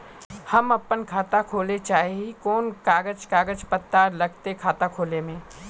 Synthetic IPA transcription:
hɐmɐpːənkʰaːt̪akʰoːlet͡ʃaːɦiikɔːnkaːɡəd͡ʒkaːɡəd͡ʒpət̪ːaːɾlɐɡt̪ekʰaːt̪akʰoːlemẽː

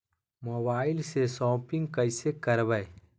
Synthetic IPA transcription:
moːbaːɪlsesɔːpɪ̃ŋɡkəɪsekɐɾbəe

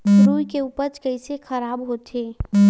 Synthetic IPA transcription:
sɾuːjkeuːpəɾt͡ʃkɐisexʰɐɾaːbɦoːt̪eː

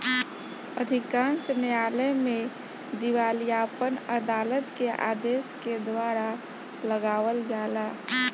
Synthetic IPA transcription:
əd̪ʱɪkãːnsnejaːləjmẽ | d̪iwaːljaːpənəd̪aːlət̪keʔa̰ːd̪eːsked̪waːɾa | ləɡaːʋəld͡ʒaːlaː

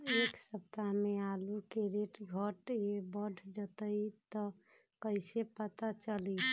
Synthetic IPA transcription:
eksəp̚t̪amealukeɾeʈɡʱəʈjebəɖʱd͡ʒət̪əit̪ɔ | kəɪsepət̪at͡ʃəli

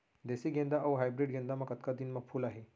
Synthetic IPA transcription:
d̪esiɡẽnd̪aɐʋəɦajbɾiɖɡẽnd̪amakət̪kad̪inmaɡfʰuːlaɦe

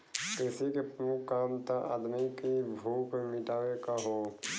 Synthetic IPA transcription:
kɪsikepɾəmʊkʰːaːmt̪aʔa̰ːd̪mikibʱuːpemɪʈaːʋekaɦo

